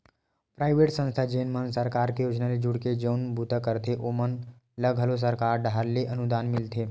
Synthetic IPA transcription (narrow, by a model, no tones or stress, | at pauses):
pɾaːɪʋeʈsə̃nst̪ʰad͡ʒeːnmənsəɾkaːɾkejoːd͡ʒnaled͡ʒʊɽked͡ʒownbut̪əkəɾt̪ʰeʔomən | ləɡʱɦəlos̬əɾkaːɾɖʱaɾleʔənud̪anmɪlt̪ʰe